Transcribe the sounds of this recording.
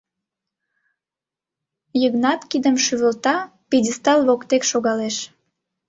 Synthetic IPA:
jəɣnɑt̪kid̪əmʃyβəlt̪ɑ | pidʲəst̪ɑllokt̪ekʃoɣɑleʃ

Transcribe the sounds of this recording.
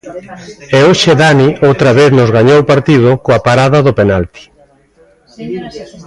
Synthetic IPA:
eoʃeðaniʔowt̪ɾɐβ̞eθnʊzɣaɲowpaɾt̪iðʊkoapaɾaðɐðʊpenalt̪i̥

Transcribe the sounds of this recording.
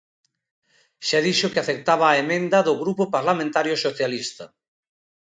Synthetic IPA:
ʃaðiʃokɪaθek̚t̪aβaːemẽnd̪ɐðʊɣɾupopaɾlamẽnt̪aɾjosoθjalist̪ɐ

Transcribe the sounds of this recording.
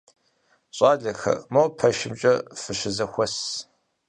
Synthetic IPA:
ɕʼaːɮɐxɐ̰mɐwpʰɐʃɪmt͡ʃʼɐfɨɕɪzɐxʷɔs

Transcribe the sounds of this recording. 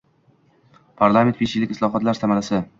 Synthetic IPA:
pʰaɾlˠame̞nt̪beʃɪlɪkʲɪslˠɒɦɒt̪laɾsamalasɪ

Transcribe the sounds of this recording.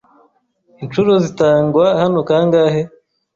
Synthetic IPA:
int͡ʃuɾozitaːŋɡwahanokaːŋɡaːhe

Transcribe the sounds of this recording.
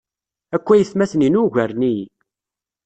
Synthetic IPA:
ækʷːæjəθmæθninuʝæɾni

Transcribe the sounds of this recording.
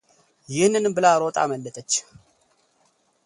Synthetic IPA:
jɪhnːɨnmbɨlaɾot̪ʼa̰məlːət̪ʼət͡ʃː

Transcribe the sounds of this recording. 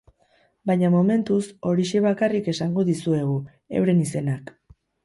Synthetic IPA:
bajɲamome̞nt̪uso̞ɾiʃe̞βakarike̞saŋɡo̞ðisue̞ɣ̞u | e̞̰wɾe̞nise̞nak

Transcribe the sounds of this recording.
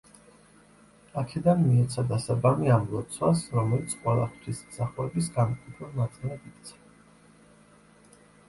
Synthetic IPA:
akʰɛd̪anmiɛt̪sʰad̪asabamiamlˠɔt̪sʰwasɾɔmɛlit̪sʰqʼwɛlˠa̰χʰt̪ʰismzaχuɛbisɡanukʼip̪ʰɾɔnat̪sʼilɛd̪ik̚t̪sʰḁ

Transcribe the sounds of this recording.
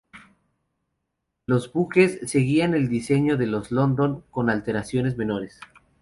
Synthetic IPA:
lo̞zβuke̞sːe̞ɣiane̞ld̪ise̞ɲo̞ðe̞lo̞zlo̞nd̪o̞ŋko̞nalt̪e̞ɾasjo̞ne̞zme̞no̞ɾe̞s

